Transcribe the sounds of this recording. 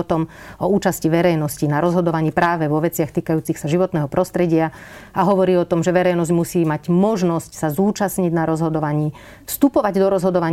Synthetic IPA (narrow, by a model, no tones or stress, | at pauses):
t̪ɔmɔuːt͡ʃasciʋɛɾɛjnɔscinaɾɔzɦɔd̪ɔʋaɲiːpɾaːʋɛʋɔʋɛt͡sɪaxt̪iːkajuːt͡sixsaʒiʋɔt̪nɛːɦɔpɾɔst̪ɾɛɟɪaaɦɔʋɔɾiːɔt̪ɔmʒɛʋɛɾɛjnɔzɟmusiːmaɟmɔʒnɔscsazuːt͡ʃasɲiɟnaɾɔzɦɔd̪ɔʋaɲiː | fst̪upɔʋaɟd̪ɔɾɔzɦɔd̪ɔʋaɲ